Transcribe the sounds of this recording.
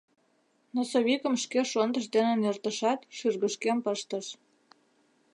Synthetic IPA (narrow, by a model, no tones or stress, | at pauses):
nosoβikə̆mʃkeʃond̪əʃ̬d̪enĕnert̪ə̆ʃɑt̪ʃyrɣəʃkempəʃt̪əʃ